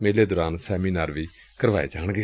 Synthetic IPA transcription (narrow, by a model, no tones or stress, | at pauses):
meːleːd̪oːɾaːnsɛːmiːnaːɾʋiː | kəɾʋaːḛːd͡ʒaːɳɡeː